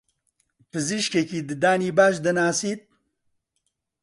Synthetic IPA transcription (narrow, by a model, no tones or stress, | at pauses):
pɨziʃkekiːd̪ɨd̪aːniːbaːʃd̪ɐnaːsiːt̪̚